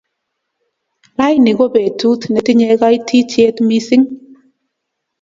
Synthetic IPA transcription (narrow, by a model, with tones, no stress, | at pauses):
la˦jnɪ˨ɡo˦be˨tu˦t̪nɛ˨tɪ˦ɲɛ˨ɡa˦i˦tʰi˦t͡ʃe˦t̪mi˦sɪ˦ŋ